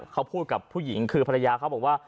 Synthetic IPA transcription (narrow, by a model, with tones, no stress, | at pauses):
kʰa˦˥wpʰuː˥˩t̪̚ka˨˩pʰːuː˥˩ji˩˦ŋkʰɯː˧pʰa˧ɾa˧jaː˧kʰa˦˥bɔː˨˩k̚waː˥˩